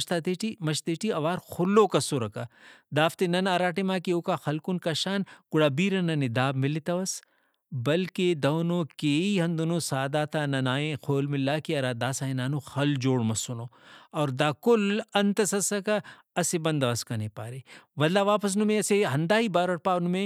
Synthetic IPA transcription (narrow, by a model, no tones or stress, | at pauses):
ʃt̪at̪eʈimɐʃt̪eːʈiɐʋaːɾxʊlːokɐsoɾɐkad̪aːft̪enɐnaːɾaːʈemaːkioːkaxɐlkʊnkaʃaːnkʊɽaːbiːɾɐnɐned̪aːbmɪlit̪ɐʋɐs | bɐlked̪ɐːnõːkeːiɦɐ̃nd̪unosaːd̪aːt̪anɐnaːẽxʰoːlmɪlːaːkiɐɾaːd̪aːsaːẽnaːnoxɐld͡ʒoːɽmɐsonoːɔːɾd̪aːkʊlɐnt̪ɐsɐsɐka | ɐsebɐ̃nd̪ɐʋɐskɐnepaːɾeːʋɐd̪laːʋaːpɐs̬nʊmẽɐseɦɐnd̪aːɦibaːɾɐɽ̚paːnmẽ